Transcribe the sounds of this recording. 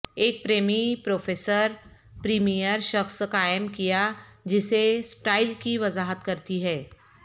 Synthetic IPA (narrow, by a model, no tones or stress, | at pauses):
eːk̚pɾeːmipɾoːfʰeːsəɾ | pɾiːmijəɾʃɐxsqaːɪmkijad͡ʒɪsesʈaːɪlkiʋɐzaːɦət̪kɐɾt̪iɦɛː